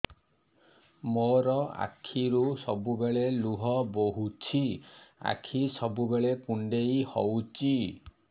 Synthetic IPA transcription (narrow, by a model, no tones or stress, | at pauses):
moɾɔa̰kʰiɾusɔbubeɭeluɦɔboɦut͡ʃʰia̰kʰisɔbubeɭekuɳɖejhɔwt͡ʃi